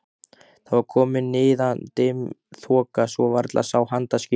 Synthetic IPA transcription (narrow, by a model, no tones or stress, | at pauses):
θavaɾkʰɔːmɪnːɪːðant̪emθʰɔːkasvɔvaɾt̪lʔa̰sawhant̪ascɪ